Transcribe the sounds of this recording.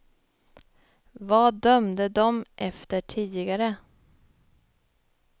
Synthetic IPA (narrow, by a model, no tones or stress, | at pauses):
vɑːd̪œmd̪əd̪ɔmʔɛft̪əʈʰiːd̪lɪɡaɾə